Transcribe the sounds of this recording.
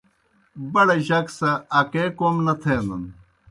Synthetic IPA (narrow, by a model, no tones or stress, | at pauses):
bɐɽeʑɐksɐːkeːkoːmnɐt̪ʰeːnɐn